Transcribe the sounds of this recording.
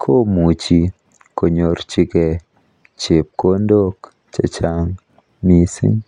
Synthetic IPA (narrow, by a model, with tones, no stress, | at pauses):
kʰo˦mu˨t͡ʃi˦ | ko˨ɲo˨rt͡ʃi˦ke˨ | t͡ʃe˨p̚ko˦ndo˦k | t͡ʃa˨t͡ʃa˦ŋ | mi˦sḭ˦ŋ